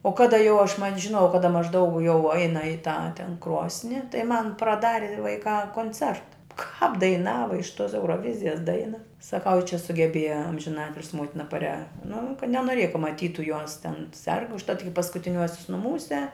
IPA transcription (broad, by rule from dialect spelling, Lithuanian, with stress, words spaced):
oː ˈkɑːdɐ jɛʊ ɐʃ mɐnʲ ʒʲɪˈnoːjɛʊ ˈkɑːdɐ mɐʒˈdɐʊk jɛʊ ˈɛɪnɐ ɪ tɑː tʲɛn ˈkroːsʲnʲɪ tɐɪ mɐn prɐˈdɑːrʲɪ ʋɐɪˈkɑː koːnʲˈt͡sʲɛrtɐ kɑːp dɐɪˈnɑːʋɐ ɪʃ toːs ɛʊroːˈʋʲɪzʲɪjɛs ˈdɐɪnɐ sɐˈkɐʊ ɪ t͡ʃʲɛ sʊɡʲɛˈbʲeːjɛ ɐmʲʒʲɪˈnɑːtʲɪlʲsʲɪ ˈmoːtʲɪnɐ pɐˈrʲɛ nʊ kɐ nʲɛnoːˈrʲeːjɛ kɐ mɐˈtʲiːtʊ juɔs tʲɛn sʲɛrk ʊʃˈtɐt ɪkʲɪ pɐskʊtʲɪˈnʲuɔsʲʊs nʊˈmuːsʲɛ